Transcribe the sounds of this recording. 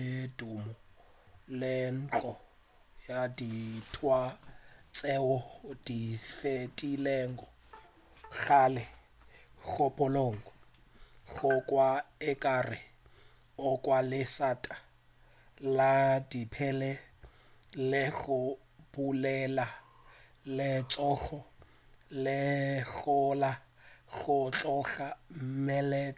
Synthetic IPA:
dumɔ | lɪn̩ːt͡ɬʼɔ | jaditʰwat͡sʼɛwɔd̥ifetʼilɛːŋɡɔ | ɣaːlɛ | ɣʊpʼɔloŋɡɔ | ɣʊkʼwaɛkʼarɪ | ɔkʼwalɪsatʼḁ | ladipʰɛlɛ | lɪɣʊ | bulɛla | lɪt͡sʼɔɣɔ | lɪɣʊla | ɣʊt͡ɬʼɔɣamɛlɛt͡sʼa

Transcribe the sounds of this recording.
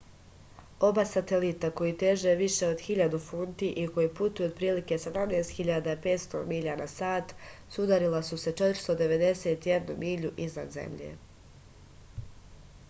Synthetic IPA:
o̞baːsat̪elit̪ako̞jit̪eʒeʋiʃe̞o̞d̪xiʎad̪ufuːnt̪iʔiko̞jiput̪ujuod̪̚pɾiːlike̞sed̪amneːst̪xiʎad̪aipe̞ːt̪st̪o̰miʎanasaːt̪sud̪aɾilasuse̞t͡ʃet̪ɾst̪o̞d̪e̞ʋe̞d̪e̞seːt̪jed̪numiːʎuʔizna̰d̪zḛmʎḛ

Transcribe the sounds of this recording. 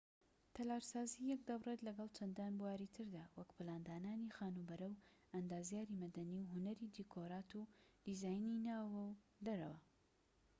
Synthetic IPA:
t̪ʰɐlaːɾsaːzijɛk̚d̪ɐwret̪lɐɡɐlˠt͡ʃʰɐnd̪aːnbuwaːɾit̪ʰɨɾd̪aːwɐkpɨlaːnd̪aːnaːnixaːnubɐɾɐwɐnd̪aːzjaːɾimɐd̪ɐniwɦʊnɐɾid̪ikʰoɾaːt̪ud̪̥izaːjninaːwɐw | d̪ɐɾɐ̰wɐ

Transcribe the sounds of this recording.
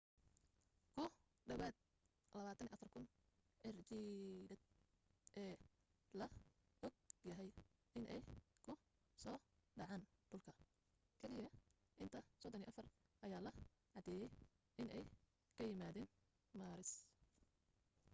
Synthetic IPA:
kʰʊh | ɖɐβaːd̪̚ | lɐβaːt̪ʰɐniːʔɐfɐrkʰʊn | ʔɛrt͡ʃidɐd̪ | ʔɛː | lɐ | ɔɡ̚jɐɦɛj | ɪnʔɛjkʰʊ | sɔːɖɑʕɑːnd̪̥ʊlkʰɐ | kʰɛlɪjɐ | ʔɪnt̪ʰɐsɔd̪ɔniːʔɐfɐr | ʔɐjaːlɐ | ʕɑd̪ɛːjɛj | ʔɪnɛj | kʰɐjɪmaːðɛːn | maːɾɪs

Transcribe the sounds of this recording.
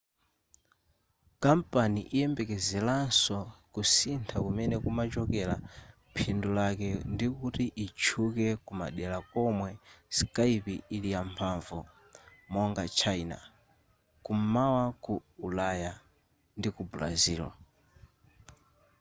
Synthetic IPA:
kampaniʔijɛmbɛkɛzɛlansɔkusintʰakumɛnɛkumat͡ʃɔkɛla | pʰindulakɛndikutiʔit͡ʃʰukɛkuma̰ɗɛlakɔmwɛskaipiilijampʰaɱvu | mɔŋɡat͡ʃʰaina̰ | kumawakuːlaja | ndikubla̰ziːlɔ̰

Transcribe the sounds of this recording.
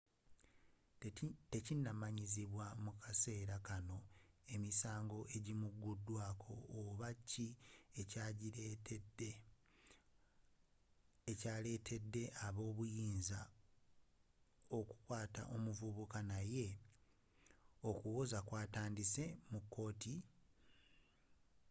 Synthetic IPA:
te̞cinːamaɲiziβwamukase̞ːɾakano̞e̞misaːŋɡo̞ʔe̞ɟimuɡːudːwaːkʰo̞ːβacːiecaːɟiɾetede | caːle̞ːtʰe̞dːe̞ʔaβo̞ːβujiːnza | o̞ku̥kwaːta̰ʔo̞muvuβukanaje̞ | okuwozakwaːtaːndise̞mukːo̞ːti

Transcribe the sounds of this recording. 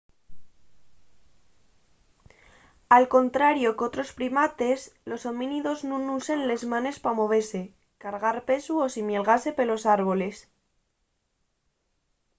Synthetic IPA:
alko̞nt̪ɾaɾjo̞ko̞t̪ɾo̞spɾimat̪e̞slo̞somĩniðo̞znõnusenle̞zmãne̞spamo̞β̞e̞se̞ | kaɾɣaɾpe̞suosimje̞lɣ̞ase̞pe̞lo̞saɾβo̞le̞s

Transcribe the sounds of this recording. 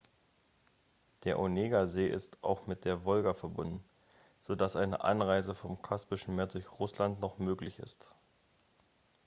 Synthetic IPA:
d̥eːɐʔoneːɡazeːʔɪ̰sta̰ʊxmɪt̚d̥eːɐvɔlɡafɛɐbʊndn̩ | z̥odasʔaɪnə̰ʔa̰nʁaɪzəfɔmkʰaspɪʃn̩meːɐdʊɐçʁ̥ʊslantnɔχmøːklɪçɪ̰st

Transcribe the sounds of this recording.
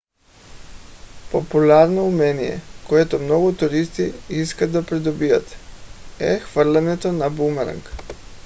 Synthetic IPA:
populʲaɾnoumɛnijɛ̰koɛt̪omnɔɡʊt̪uɾist̪iiskad̪apɾid̪obijat̪ | ɛ̰xvəɾlʲɛnɛt̪onabumɛɾə̰ŋk

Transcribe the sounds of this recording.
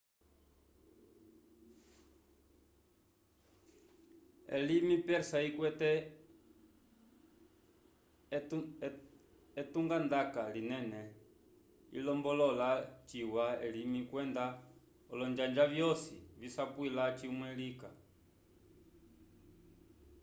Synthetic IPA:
ɛ̰limipɛɾsaikwɛtɛ | ɛtuŋɡand̪akalinɛnɛ | ḭlɔmbɔlɔlat͡ʃiwaɛlimikwɛnd̪a | ɔlɔnd͡ʒand͡ʒavjɔsḭvisapwilat͡ʃiumwɛlika

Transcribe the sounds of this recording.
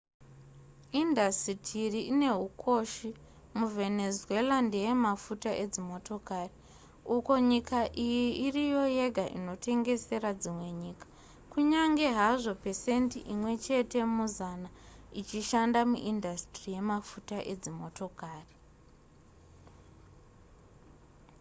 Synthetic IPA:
indastitʰiriine̞ɦukʰo̞ʃi | muve̞ne̞zue̞lande̞je̞mafutaʔe̞d͡zimo̞to̞kaːri | uko̞ɲikʰaʔijiirijo̞je̞ɡʱaʔḭno̞tʰe̞ŋɡe̞se̞ɾad͡zimwe̞ɲiːkḁ | kuɲaŋɡe̞ɦaʐo̞pe̞sentiʔimwe̞t͡ʃe̞te̞muzanait͡ʃiʃandamuʔindastrije̞mafutaʔe̞d͡zimo̞to̞kaːri

